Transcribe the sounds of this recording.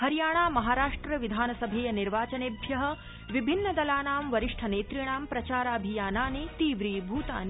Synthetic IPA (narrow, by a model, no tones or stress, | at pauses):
hɐɾjaːɳ̃aːmɐɦaːɾaːʂʈɾɐʋid̪ʱaːnɐsɐbʱeːjɐniɾʋaːt͡ʃɐneːbʱjɐɦɐ̆ | ʋibʱinːɐd̪ɐlaːnaːmʋɐɾiʂʈʰɐneːt̪ɾiɳaːmpɾɐt͡ʃaːɾaɐbʱijaːnaːneːt̪iːʋɾiːbʱuːt̪a̰ːne